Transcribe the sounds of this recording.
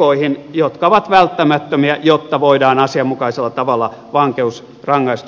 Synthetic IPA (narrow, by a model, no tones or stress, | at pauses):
oihinjot̪kɑoʋɑt̪ʋælt̪ːæmæt̪ːømiæjot̪ːɑʋoidɑːnɑsiɑmːukɑiselːɑt̪ɑʋɑlˑːɑ | ʋɑŋkeus | rɑŋːɑist̪